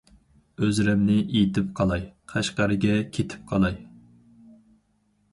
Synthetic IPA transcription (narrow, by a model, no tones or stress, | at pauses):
øzɾɛmnɪʔid̪ɪp̚qʰɑlˠɑjqʰæʃqɑɾɨɡʲɛkʲʰet̪ʰɪ̥p̚qʰɑlˠɑj